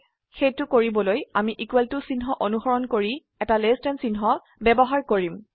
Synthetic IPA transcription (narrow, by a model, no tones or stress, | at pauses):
xejtʊkoɹibɔlojamiʔikwɛltʊsinɦɔʔonuxɔɹɔnkoɹi | ɛtalestɛnsinɦɔ | bɛbɔɦaɹkoɹim